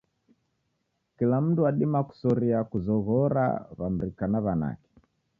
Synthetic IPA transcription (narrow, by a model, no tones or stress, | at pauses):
kilam̩duaɗimaku̥sɔɾiakuzɔɣɔɾa̰βam̩ɾikanaβana̰kɛ̥